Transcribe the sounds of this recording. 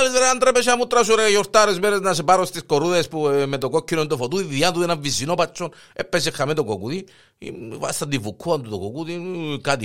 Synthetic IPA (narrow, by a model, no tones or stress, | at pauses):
liseɾaand̪ɾɛpeʃamut̪ɾasuɾejoɾt̪aɾezmeɾeznasepaɾost̪iskoɾuðespumet̪okokːinont̪̬ofot̪uiðiat̪uðenavːisinopat͡ʃːon | ḛpːesixamet̪okokuðḭ | va̰st̪ad̪ivukʰːuant̪ut̪okokuðikat̪i